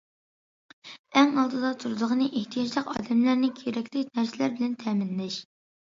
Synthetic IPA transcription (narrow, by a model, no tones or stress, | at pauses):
ɛŋɑlˠd̪ɨd̪ɑt̪ʰuɾɨd̪əʁənɨʔeht̪ʰijɑd͡ʒlˠəqɑ̰ːd̪ɛmlæɾnɪkʲʰeɾɛkʲlɪkʲnæɾsɪlæɾbɪlɛnt̪ʰɛːmɪnlɛʃ